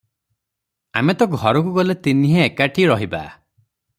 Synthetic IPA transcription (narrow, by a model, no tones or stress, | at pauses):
a̰met̪ɔɡʱɔɾɔkuɡɔlet̪iniɦeːkaʈʰiɾɔɦiba̰